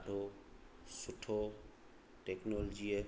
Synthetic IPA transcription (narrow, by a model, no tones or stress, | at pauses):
ɖʱo | sʊʈʰo | ʈeknold͡ʒie